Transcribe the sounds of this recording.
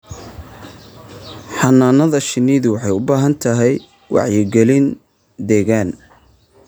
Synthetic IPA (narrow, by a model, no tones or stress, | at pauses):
ħɑnːaːnɐðɐʃɪniːðʊwɑħɑjʊbaːɦɐnt̪ʰɐɦɛj | wʔɑ̰ʕjɪɡɛlɪn | d̪ɛːɣaːn